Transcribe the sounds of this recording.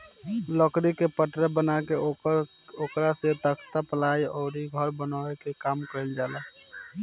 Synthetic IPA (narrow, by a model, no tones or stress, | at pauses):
ləkɾikepəʈɾəbənakeɾ | okɾaset̪əkʰt̪apəlaiɔːɾiɡʱəɾbənaekekaːmkəɾɛld͡ʒala